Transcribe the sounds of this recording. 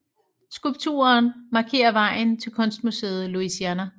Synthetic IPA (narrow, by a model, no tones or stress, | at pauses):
sɡ̥ulb̥̚t͡sʰṵːɐːnmɑ̈kʰe̝̰ːɐʋɑ̈ɪ̰n̩t͡sʰe̝lkʰɔ̽nsd̥muse̝̰ːð̩ˠluisiænæ